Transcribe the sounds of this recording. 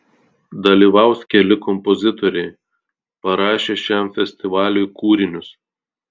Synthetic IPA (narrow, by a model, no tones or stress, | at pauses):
d̪ɐlʲiːʋɑˑʊskʲɛlʲɪkɔmpɔzʲɪt̪ɔɾʲɛɪ | pɐɾɑːʃʲeːʃʲæmfʲɛsʲt̪ʲɪʋɑːlʲujkuːɾʲɪnʲʊs